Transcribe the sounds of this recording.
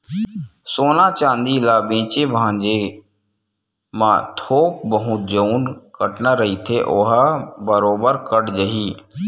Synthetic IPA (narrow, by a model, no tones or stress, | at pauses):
soːnat͡ʃãːnd̪ilaːbẽːt͡ʃebʱãːd͡ʒe | mãt̪ʰoːk̚bəɦʊt̪̚d͡ʒəunkəʈnaɾəɦit̪ʰeʔoːɦabəɾoːbəɾkəɽd͡ʒəɦiː